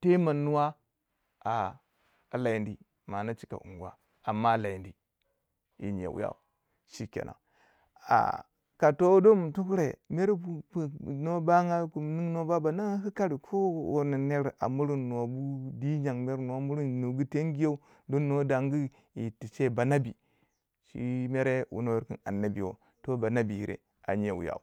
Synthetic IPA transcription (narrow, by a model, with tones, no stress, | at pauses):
te˦ma˨nːu˦wa˦ | a˨ | la˨i˨ndi˨ | ma˨na˦t͡ʃi̥˨ka̰˨ʔṵ˨ŋɡu˨a̰˨ | a˨mːa˦˨la˨i˨ndi˨ | ḭ˨ɲḛ˨wṵ˦ja̰˦˨ | ʃi˨kʲḛ˨nʔa̰˨ | a̰˨ | ka˨to˦do˦m˨tu˦kɾe˨me˦ɾu˦pu˨no˦ba˦ŋa˦ku˨mni˦ŋno˦ba˦ba˨na˦ŋa˦ki˦ka˦ɾi˨kʰo˦wo̰˨ni˨ne˦ɾʔa̰˨mu˦ɾi˦nno˨bu˦di˦d͡ʒa˨ŋme˦ɾn˨o˦mu˦ɾi˦nu˨ɡu˦te˦ŋɡi˦jo˦u˦ | do˦nːo˦da˨ŋɡi˦ | ji˨ti˨t͡ʃe˦˨ba˨na˦bi˨ | ʃḭ˦me˦ɾe˦wṵ˨no˦wo˦ɾki˨na˨nːa˦bḭ˨wo̰˨ | to˦ba˨na˦bi˨i˨ɾḛ˨ | a̰˨ɲe˨wṵ˨ja̰˨u˨